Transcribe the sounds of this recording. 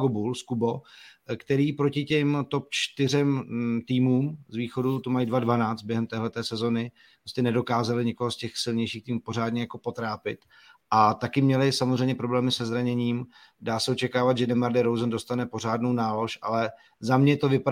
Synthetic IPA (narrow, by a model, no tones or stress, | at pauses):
ɡobulskubo̞kt̪ɛɾiːpɾo̞cɪcɛmt̪o̞p̚t͡ʃt̪ɪrɛmt̪iːmuːmzviːxo̞dut̪omajidvadvanaːt͡st̪̚bjɛɦɛmt̪ɛːɦlɛt̪ɛːsɛzo̞nɪ | ppɾoscɛnɛdo̞kaːzalɪɲɪko̞ɦoscɛxsɪlɲɛjʃiːxt̪iːmupo̞ɾ̝aːdɲɛjako̞po̞t̪ɾaːpɪt̪ | ʔat̪akɪmɲɛlɪsamozr̝ɛjmɲɛpɾo̞blɛːmɪsɛzɾaɲɛɲiːm | daːsɛo̞t͡ʃɛkaːvat̪ʒɛdɛmaɾdɪɾowzndo̞st̪anɛpo̞r̝aːdno̞wnaːlo̞ʃʔa̰lɛ | zamɲɛt̪o̞vɪpa